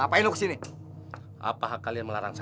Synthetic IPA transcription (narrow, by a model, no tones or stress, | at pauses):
apainlokə̥sini | ʔa̰paɦakalianməlaɾaŋsa